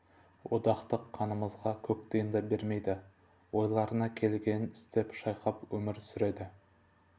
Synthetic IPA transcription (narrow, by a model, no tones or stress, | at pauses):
wʔod̪ɑqt̪əqʰːɑnəməzʁɑkʲʰɵk̚t̪ejənd̪ɑbe̞ɾme̞jd̪ɪ | wo̞jlˠɑɾənɑkʲʰe̞lɡʲe̞nnɪst̪e̞pʃɑjqɑpwɵmɪɾsʏɾe̞d̪ɪ